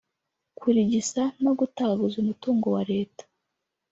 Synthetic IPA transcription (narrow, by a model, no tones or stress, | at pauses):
kwiɾiɟisanoɡutaaɡuzumutuːŋɡo̞waɾe̞ːtḁ